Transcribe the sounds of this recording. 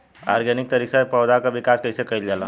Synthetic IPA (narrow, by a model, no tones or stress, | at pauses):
a̰ːɾɡənɪk̚t̪ɐɾiːksapɔːd͡ʒakaʋɪkaːskɐisekɐild͡ʒaːlã